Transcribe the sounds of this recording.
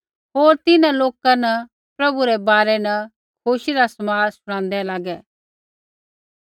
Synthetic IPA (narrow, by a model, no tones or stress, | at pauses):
ɦoːɾt̪ɪnãloːkanɐ | pɾɐbuɾɛbaːɾɛnɐ | kʰoːʃiɾasɐmaːɾsʊɽ̃ãːnd̪ɛlaːɡɛː